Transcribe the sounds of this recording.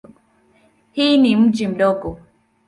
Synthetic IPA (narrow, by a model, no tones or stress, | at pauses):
hinim̩d͡ʒim̩dɔɡo